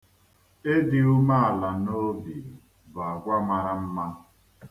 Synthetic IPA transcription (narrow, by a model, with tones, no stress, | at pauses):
e˦dɪ˨u˦ma˦a˨la˨no˦bi˨ | ba˨a˨ɡʷa˦ma˨ɾa˦m̩˦ma˦